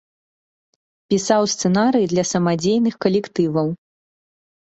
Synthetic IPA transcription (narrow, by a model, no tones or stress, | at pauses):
pʲisawst̪sɛnaɾɨjid̪lʲɐsɐmad͡zʲejnɨxkɐlʲɛkt̪ɨvɐw